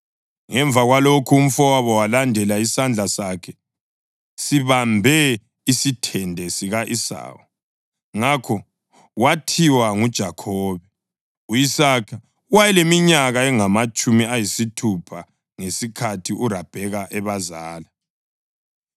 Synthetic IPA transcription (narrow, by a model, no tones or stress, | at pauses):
ŋɛɱb̪vʱaɣwalokʰuːm̩fɔwaβɔwalandʱɛlaisand͡ɮʱasakʰɛ | siβambʱɛ | isitʰɛndʱɛsiɣaʔisa̰ːwɔ | ŋakʰɔ | watʰiwaŋud̥ʒ̥ʱakʰɔːβɛ | uisakʰa | wajɛlemiɲaɣaɛŋamat͡ʃʼumiajisitʰupʰa | ŋesikʰatʰiʔuɾab̥ʱɛɣaʔɛβazaːla